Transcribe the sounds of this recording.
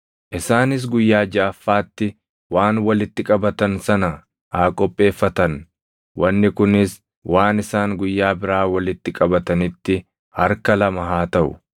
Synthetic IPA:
ʔɪsaːnɪs̬ɡʊjːaːd͡ʒaːfːaːt̪ːɪ | waːnwɐlɪt̪ːɪkʼɐbɐt̪ɐnsɐnɐ | haːkʼɔpʼːe̞ːfːɐt̪ɐn | wɐnːɪkʊnɪs | waːnɪsaːŋɡʊjːaːbɪɾaːwɐlɪt̪ːɪkʼɐbɐt̪ɐnɪt̪ːɪ | hɐɾkɐlɐmɐɦaːt̪ɐʔʊ̰

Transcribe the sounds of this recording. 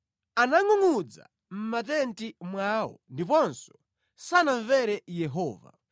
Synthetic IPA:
anaŋuŋud͡za̰ | m̩matɛntimwaːwɔ̰ndipɔnsɔ̥ | sanaɱvɛɾɛjɛɦɔːva̰

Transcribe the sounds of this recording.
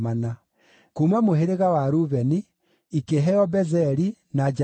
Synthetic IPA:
mana | kumamoɦeɾeɣawaɾuβɛni | ikeɦɛɔbɛzɛɾi | nad͡ʒ

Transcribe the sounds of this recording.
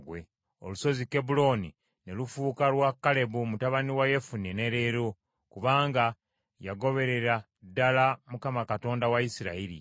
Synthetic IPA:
wḛ | o̞̰luso̞zike̞bulo̞ni | ne̞lufuːkalwakːale̞βumutaβaniwaje̞funene̞ɾeɾo̞ | kuβaːŋɡa | jaɡo̞βe̞ɾe̞ɾa | dːalamukamakato̞ːndawaisiɾa̰iɾḭ

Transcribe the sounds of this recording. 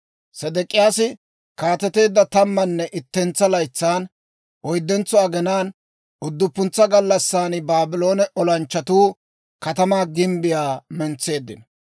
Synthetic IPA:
sɛd̪ɛkʼːɪjaːsɪ | kaːt̪ɛt̪e̞ːd̪ːɐt̪ɐmːɐnːɛʔɪt̪ːɛnt͡sːɐlɐjt͡sːaːn | ʔɔjd̪ːɛnt͡sɔɐɡɛnaːn | ʊd̪ːʊpːʊnt͡sːɐɡɐlːɐsːaːnɪbaːbɪlo̞ːnɛʔɔlɐnt͡ʃːɐt̪uː | kɐt̪ɐmaːɡɪmbɪjaːmɛnt͡sːe̞ːd̪ːɪ̰nɐ

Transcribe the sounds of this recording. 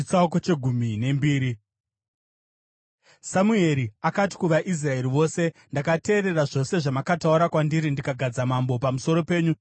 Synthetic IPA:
it͡sauk̬o̞t͡ʃe̞ɡʱumine̞mbiːɾi | samue̞ɾiakat̬i̥kuʋaʔis̬rae̞ɾiʋo̞ːse̞ndakate̞ːɾe̞raʐo̞se̞ʐamakatauɾakwandiɾindikaɡʱad͡zamambo̞pamuso̞ɾo̞pe̞ːɲu

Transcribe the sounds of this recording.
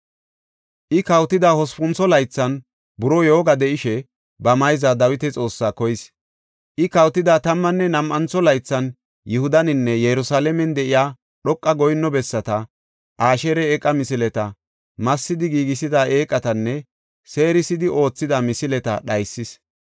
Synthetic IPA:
ʔɪkɐwt̪ɪd̪aːhɔspʊnt͡sɔlɐjt͡sːɐn | bʊɾɔjo̞ːɡɐd̪ɛʔɪʃɛ | bɐmɐjzad̪ɐwɪt̪ɛt͡sʼo̞ːsːaːkɔjɪs | ʔɪkɐwt̪ɪd̪aːt̪ɐmːɐnːɛnɐmʔɐnt͡sɔlɐjt͡sːɐn | jɪhʊd̪ɐnɪnːɛjɛɾʊsaːlɛmɛnd̪ɛʔɪjaː | ɗɔkʼːɐɡɔjnːɔbɛsːɐt̪ɐ | ʔaːʃɛɾɛːkʼːɐmɪsɪlɛt̪ɐ | mɐsːɪd̪ɪɡiːɡɪsɪd̪aːe̞ːkʼːɐt̪ɐnːɛ | se̞ːɾɪsɪd̪ɪʔo̞ːt͡sːɪd̪ɐmɪsɪlɛt̪ɐ̰ɗɐjsːɪs

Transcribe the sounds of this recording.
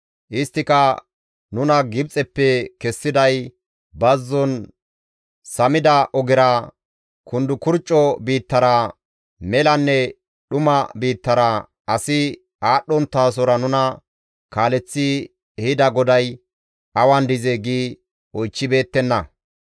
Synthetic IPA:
ʔɪst̪ːɪkɐ | nʊnɐɡɪb̚t͡sʼɛpːɛkɛsːɪd̪ɐj | bɐzːɔn | sɐmɪd̪ɐʔɔɡɪɾɐ | kʊnd̪ʊkʊɾt͡ʃʼːɔbiːt̪ːɐɾɐ | mɛlɐnːɛ | ɗʊmɐbiːt̪ːɐɾɐ | ɐsɪ | aːɗːɔnt̪ːaːs̬ɔɾɐnʊnɐ | kaːlɛt͡sːɪ | ɛhɪd̪ɐɡɔd̪ɐj | ʔɐwɐnd̪ɪzeɡiː | ɔjt͡ʃːɪbe̞ːt̪ːɛnːɐ

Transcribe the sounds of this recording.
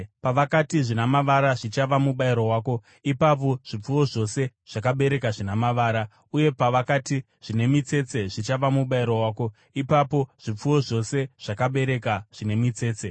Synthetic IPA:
paʋakatiʐinamaʋaɾaʐit͡ʃaʋamuɓaiɾowaːko̞ | ipap̬o̞ʐ̥ip͡fuwo̞ʐo̞se̞ʐ̥akaɓe̞ɾe̞kaʐinamaʋaːɾa | uje̞paʋakati | ʐ̥ine̞mit͡se̞t͡se̞ʐit͡ʃaʋamuɓaiɾowaːko̞ | ipapo̞ʐ̥ip͡fuwo̞ʐo̞se̞ʐ̥akaɓe̞ɾe̞kaʐ̥ine̞mit͡se̞ːt͡se

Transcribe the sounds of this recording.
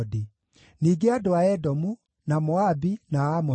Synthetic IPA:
di | niːɡeadoaɛdɔmu | namɔabinaːmɔ

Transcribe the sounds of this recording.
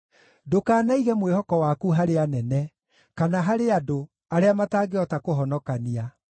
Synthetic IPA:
dokaːnaiɣɛmwehɔkɔwakuɦaɾeanɛnɛ | kanaɦaɾeado | aɾeamataːɡeɔtakoɦɔnɔkania

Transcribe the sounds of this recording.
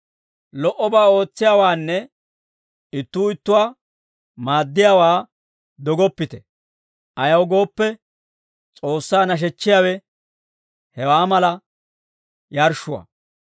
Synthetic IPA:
lɔʔɔbaːo̞ːt͡sːɪjaːwaːnːɛ | ɪt̪ːuːɪt̪ːʊwa | maːd̪ːɪjaːwaː | d̪ɔɡɔpːɪt̪ɛ̥ | ʔɐjɐwɡo̞ːpːɛ | t͡sʼo̞ːsːaːnɐʃ̬ɛt͡ʃːɪjaːwɛ | hɛwaːmɐlɐ | jɐɾʃʊwa̰

